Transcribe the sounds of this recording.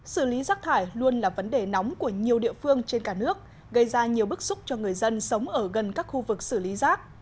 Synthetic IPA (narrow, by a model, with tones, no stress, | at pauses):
sɨ˧˩li˨˦zaː˦˥k̚t̪ʰaː˧˩jlu˧ənlaː˨˩və˨˦nɗe˨˩nɔ˨˦wŋ͡mku˧˩əɲi˨˩əwɗḭ˧˨əfɨ˧əŋt͡ɕe˧nkaː˧˩nɨ˦˥ək̚ | ɣə˧jzaː˧ɲi˨˩əwɓɨ˦˥k̚sʊ˦˥k͡p̚t͡ɕɔ˧ŋɨ˨˩əjzə˧nsə˨˦wŋ͡mʔəː˧˩ɣə˨˩nkaː˦˥k̚xu˧vɨ˨˩k̚sɨ˧˩li˨˦zaː˦˥k̚